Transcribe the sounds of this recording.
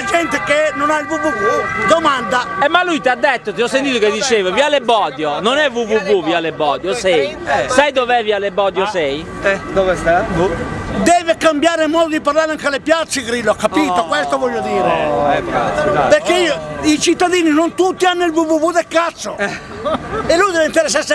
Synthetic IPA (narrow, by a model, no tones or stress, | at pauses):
d͡ʒɛnt̪ekenːonailvuvuvud̪omand̪aɛmːalːujt̪iad̪ːet̪ːot̪iɔsːent̪̬iːt̪oked̪ːit͡ʃeːvavialebɔːd̪jononɛvuvuvuvialebɔːd̪josɛjɛsajd̪ovɛvialebɔːd̪josɛj | ɛd̪ovest̪a | d̪ɛːvekambjaːɾemɔːd̪od̪iparlaːɾeaŋkalepjat̪sːeɣɾilːoakːapiːt̪okwɛst̪ovɔʎːod̪iːɾeɛapeɾkeiːoit͡ʃit̪ːaðiːninont̪ut̪ːianːoilvuvuvud̪ekːat̪sːo | elːujd̪ɛveint̪eɾes̬ːase